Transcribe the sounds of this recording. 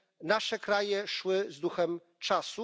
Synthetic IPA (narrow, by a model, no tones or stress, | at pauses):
naʂɛkɾajɛʂwɘzd̪uxɛm | t͡ʂasu